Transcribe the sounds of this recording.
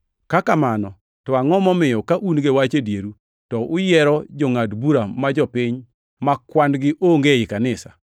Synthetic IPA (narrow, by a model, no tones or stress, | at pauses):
kakamanɔ | tɔaŋɔmɔmɪjɔkaʔunɡewat͡ʃedjeɾu | tɔʔʊjɛɾɔd͡ʒɔŋadbuɾamad͡ʒɔpɪɲ | makwandɡɪʔoŋɡeɪkanɪsa̰